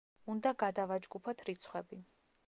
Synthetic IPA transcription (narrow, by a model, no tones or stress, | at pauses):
und̪aɡad̪avad͡ʒɡupʰɔt̪ʰɾit̪sʰχwɛbi